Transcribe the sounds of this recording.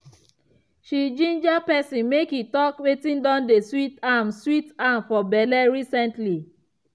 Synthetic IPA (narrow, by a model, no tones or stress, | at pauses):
ʃid͡ʒĩnd͡ʒapɛsĩnmekhitɔkwetĩndɔ̃ndeswitamswitamfɔbɛlɛɹisɛ̃ntli